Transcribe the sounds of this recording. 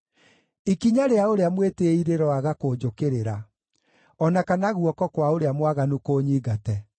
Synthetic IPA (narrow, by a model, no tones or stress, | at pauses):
ikiɲaɾeaoɾeamweteiɾeɾɔaɣakoːd͡ʒokeɾeɾa | ɔnakanaɣuɔkɔkwaoɾeamwaɣanukoːɲiːɣatɛ